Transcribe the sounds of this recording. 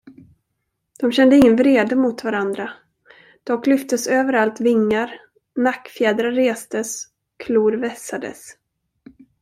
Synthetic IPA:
d̪̥ɔmɕɛnd̪əɪŋːənvɾeːd̪əmʊt̪vaɾand̪ɾa | d̪̥ɔklʏft̪əsøːvəɾalt̪vɪŋːaɾ | nakːfjɛːd̪ɾaɾeːst̪əs | ɔkʰluːɾvɛsad̪ə̰s

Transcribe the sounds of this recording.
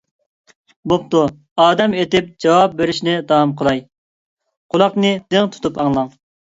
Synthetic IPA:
bop̚t̪u | ɑːd̪ɛmet̪ɪp̚d͡ʒɑwɑp̚beɾɪʃnɪd̪ɑɑmqʰəlˠɑj | qʰʊlˠɑqnɨd̪̥ɪŋt̪ʰu̥t̪upɑŋlˠɑŋ

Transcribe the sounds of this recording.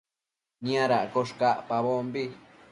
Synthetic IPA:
ɲ̃ãɾaʔkoʂkaʔpaβombi

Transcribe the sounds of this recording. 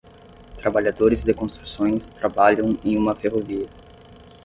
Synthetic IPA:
t̪ɾabaʎad̪oɾɪzd̪ekõst̪ɾusõj̃st̪ɾabaʎɐ̃w̃ẽj̃ũmɐfeɦoviɐ

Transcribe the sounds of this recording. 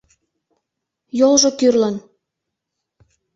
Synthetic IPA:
jolʒokyrlən

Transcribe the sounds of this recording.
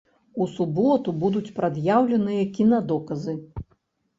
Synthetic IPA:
usubɔt̪ubud̪ut͡sʲpɾad̪jawlʲɛnɨjɐkʲinɐd̪ɔkɐzɨ

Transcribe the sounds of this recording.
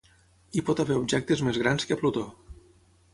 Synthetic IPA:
ipɔt̪aβeɾubʒɛk̚t̪ezmezɣɾanskəplut̪o

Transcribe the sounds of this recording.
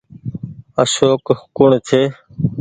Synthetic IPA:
əsoːkkʊɳt͡ʃ̪ʰeː

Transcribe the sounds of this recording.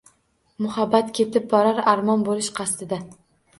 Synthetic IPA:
mʊhabːat̪kʲʰe̞t̪ɪp̚bɒɾaɾaɾmɒnbolɪʃqʰɑst̪ɪd̪a

